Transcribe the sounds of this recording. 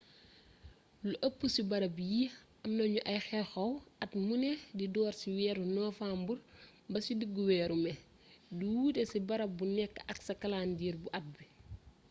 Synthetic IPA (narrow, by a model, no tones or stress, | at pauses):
luʔɐpːusibɐɾɐbiji | ɐmnɐɲuʔɐjxɛxɐwɐtmunɛdidɔːɾsiwɛːɾunɔːfaːmbur | bɐsidiɡːuwɛːɾumɛ | duwuːtɛsibɐɾɐbunɛkːʔɐksɐkɐlaːndiːɾbuʔɐt̚bi